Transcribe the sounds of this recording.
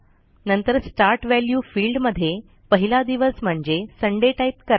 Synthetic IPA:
nənt̪əɾsʈaɾʈʋæljuːfiːlɖməd̪ʱːje | pəɦilad̪iʋəsm̤əɳd͡ʑesəɳɖeʈajt̪kəɾ

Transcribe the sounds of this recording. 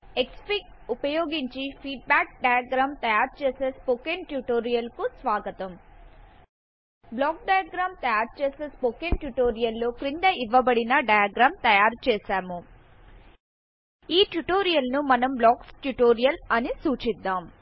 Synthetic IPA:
ekspik | upɐjoːɡiɲt͡ʃipʰiːʈ̚baːk̚ɖɐjaɡɾaːmt̪ɐjaːɾt͡ʃeːseːspokenʈjuʈoːɾijɐlkusʋaːɡɐt̪ɐm | blɔːk̚ɖɐjaɡɾaːmt̪ɐjaːɾt͡ʃeːse̞ːspokenʈjuʈoːɾijɐlːo̞ːkɾind̪ɐʔiʋːɐbɐɽinɐɖɐjaɡɾaːmt̪ɐjaːɾt͡ʃɛːsaːmu | iːʈjuʈoːɾijɐlnumɐnɐmblaːksʈjuʈoːɾijɐlɐnisuːt͡ʃid̪ːaːm

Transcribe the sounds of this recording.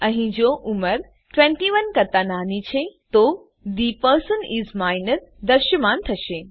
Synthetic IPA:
ɐ̃ɦĩd͡ʒoʔuməɾ | ʈʋɛ̃ɳʈiʋɐnkɐt̪anaːnit͡ʃʰet̪o | d̪ipəɾsənizmaːɪnəɾd̪ɐɾʃəmãːnt̪ʰɐʃeː

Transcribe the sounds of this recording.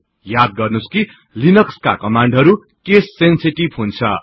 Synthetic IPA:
jad̪̚ɡʌrnuski | linʌkska̰kʌmaɳɖɦʌɾu | kesːensiʈibɦunt͡sʰʌ̰

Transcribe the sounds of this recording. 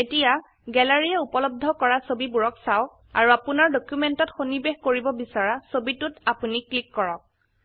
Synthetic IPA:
etija | ɡɛlaɹijɛupɔlɔb̚d̪ʱɔkɔɹasobibuɹɔksaɔk̚ | a̰ɹuapunaɹdɔkjumentɔtxonibexkoɹibɔbisaɹasobitʊtapuniklikːɔɹɔk̚

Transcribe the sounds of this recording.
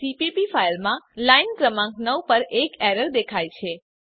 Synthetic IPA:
sipipifailmãlainkɾəmãŋknəwpəɾekɛɾəɾd̪ekʰajt͡ʃʰe

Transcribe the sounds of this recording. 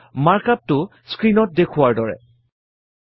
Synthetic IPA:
maɹkap̚tʊ | skɹinɔt̚dekʰʊwaɹdɔɹɛ̰

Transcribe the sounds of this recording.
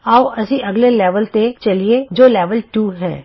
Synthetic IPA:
aːuɐsĩʔɐɡlelɛːʋəlt̪et͡ʃɐlied͡ʒoːlɛːʋəlʈuːɦɛ̰ː

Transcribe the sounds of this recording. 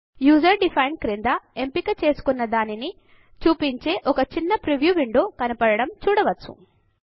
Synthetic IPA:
juːzɐɾɖipʰɐjnkɾend̪ɐe̞mpikɐt͡ʃe̞ːsu̥kunːɐd̪aːnini | t͡ʃuːpiɲt͡ʃe̞ːʔɔkɐt͡ʃinːɐpɾiʋjuːʋiɳɖoːkɐnɐpɐɽɐɽɐmt͡ʃuːɽɐʋɐt͡sːu̥̰

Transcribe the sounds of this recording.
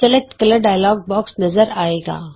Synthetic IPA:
t͡ʃɐlət̪kɐləɖaːjlɔːɡ̚bɔːksnɐzəɾaːeːɡa̰ː

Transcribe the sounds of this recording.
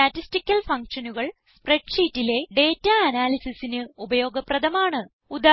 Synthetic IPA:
ɐtːistikʲːɐlfɐŋkʂɐnuɣɐɭspreɖʂiːtːile̞ɖe̞ːtːaɐnaːlisisinɨubɐjo̞ːɡɐprɐd̪ɐmaːɳɨ | ud̪aː

